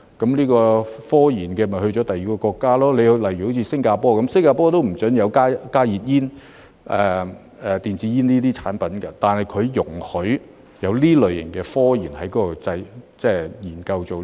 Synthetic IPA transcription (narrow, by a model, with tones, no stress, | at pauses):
kɐ˨˦˥mliː˥kɔː˧fɔː˥jiː˨˩nkɛː˧mɐ˨˩hɵ˧ɥt͡ʃɔː˨˥t̪ɐ˨ji˨kɔː˧kɔː˧kːaː˥lɔː˥le˨˧jhlɐ˨˩jy˨˩ho˨˥wt͡sʰiː˧sɪ˥ŋkaː˧pɔː˥kɐ˨˥msɪ˥ŋkaː˧pɔː˥t̪o˥wm̩˨˩t͡sɵ˨˥njɐ˨˧wkaː˥kaː˥jiː˨t̚jiː˥n | ʔɛː˨˩ | ɛ˨t̪iː˨nt͡siː˨˥jiː˥nliː˥t̪̬iː˥t͡sʰaː˨˥npɐ˨˥nkɐ˧t̪aː˨nhɐ˨jkʰɵ˨˧ɥjʊ˨˩ŋhɵ˨˥ɥ | jɐ˨˧wliː˥lɵ˨˩ɥjɪ˨˩ŋkɛː˧fɔː˥jiː˨˩nhɐ˨˥jkɔː˨˧˥ɔ˧t͡sɐ˧jt͡sɛː˥˩jiː˨˩nkɐ˧wt͡so˨w